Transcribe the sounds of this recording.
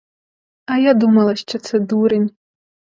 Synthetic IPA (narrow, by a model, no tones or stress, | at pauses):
ajad̪umɐlˠɐɕt͡ʃʰɐt͡sʰed̪uɾɨnʲ